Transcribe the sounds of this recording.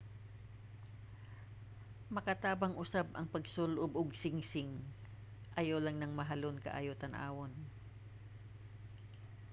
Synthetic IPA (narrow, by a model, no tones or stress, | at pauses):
mɐkɐt̪aːbɐŋʔʊsabɐŋpɐɡsolʔobʔoɡsɪŋsɪŋ | ʔɐjolɐŋnɐŋmɐɦɐlonkɐ̰ʔa̰joːt̪ɐnʔa̰ːwon